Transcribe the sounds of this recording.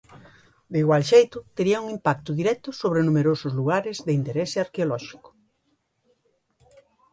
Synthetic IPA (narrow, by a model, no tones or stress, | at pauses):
d̪eiɣwalʃejt̪ʊt̪eɾiɐuŋimpak̚t̪ʊðiɾɛt̪ʊsoβɾenũmeɾosʊzluɣaɾɪzðeint̪eɾɛsɪaɾkeolɔʃi̥kʊ̥